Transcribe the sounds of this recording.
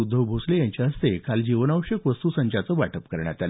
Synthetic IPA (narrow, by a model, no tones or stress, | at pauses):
ud̪ʱːəʋbʱoslejaɲt͡ɕaɦəst̪ekald͡ʑiʋənaʋəɕjəkʋəst̪uːsə̃ɲt͡ɕat͡səʋaʈʰəpkəɾɳjat̪al